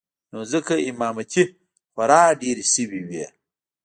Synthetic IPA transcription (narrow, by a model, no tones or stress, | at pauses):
noːzəkɐimaːmɐtʰi | fɐɾaːɖeːɾisiwiwiḛ